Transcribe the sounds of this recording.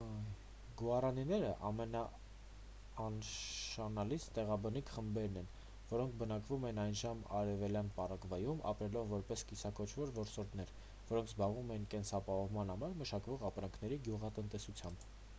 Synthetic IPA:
ɡuɑrɑninɛɾəʔɑmɛnɑ | nʃɑnɑlit͡sʰt̪ɛʁɑbənikʰχəmbɛɾnɛn | vɔɾɔŋkʰbənɑkvumɛnɑjnʒɑmɑ̰ɾɛvɛljɑnpɑrɑkvɑjumɑ̰pɾɛlɔvːɔɾpɛskisɑkɔt͡ʃʰvɔɾvɔɾsɔɾd̪nɛɾ | vɔɾɔŋkʰzbɑʁvumɛjinkɛnsɑpɑhɔvmɑnhɑmɑɾməʃɑkvɔʁɑpɾɑŋkʰn̪ɛɾiɡjuʁɑt̪ənt̪ɛsut͡sʰjɑmb

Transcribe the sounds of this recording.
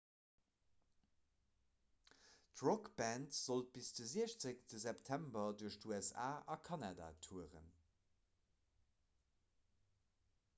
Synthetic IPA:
tʁokbæntz̥olt̚b̥isd̥əziəɕt͡səktəzɛptʰæmbɐduəʃtuɛsa̰ːʔɑkʰɑnada̰ːtʰuəʁə̰n

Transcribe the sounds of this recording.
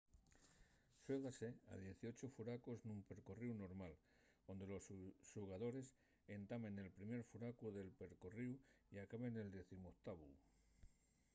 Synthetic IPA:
sweðase̞a̰ðje̞θio̞t͡ʃofuɾakoznũmpe̞ɾkoriwno̞ɾmal | o̞nd̪elo̞sʃuɣaðo̞ɾe̞s | e̞nt̪amẽ̞ne̞lpɾime̞ɾfuɾakuðe̞lpe̞ɾkoriw | iakaβe̞ne̞ld̪e̞θimot̪aβṵ

